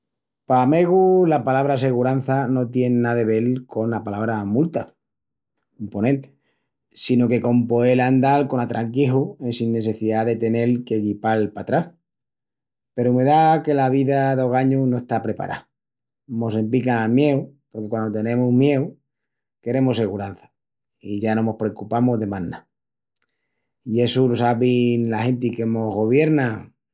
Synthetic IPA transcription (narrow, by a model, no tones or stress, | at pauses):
pame̞ɣulapalaβɾas̬e̞ɣuɾan̟θano̞t̪je̞nːaðe̞β̞e̞lko̞napalaβɾamult̪a | umpo̞ne̞l | sino̞ke̞ko̞mpo̞eland̪alko̞nat̪ɾʔaŋkiɦuensinːe̞se̞θiðaðe̞t̪e̞ne̞lke̞ɣipalpat̪ɾah | pe̞ɾume̞ðake̞laβ̞iðaðo̞ɣaɲunoe̞st̪apɾe̞pa̰ɾʔa̰ | mo̞semplikanamje̞wpo̞ɾkekwand̪ot̪e̞nẽ̞muhmje̞w | ke̞ɾe̞mose̞ɣuɾan̟θḁ | iʝanomo̞hpɾe̞kupamoɦðe̞mãnːa | ie̞sulosaβinlahe̞nt̪̬ikemo̞ɦɣo̞β̞je̞ɾna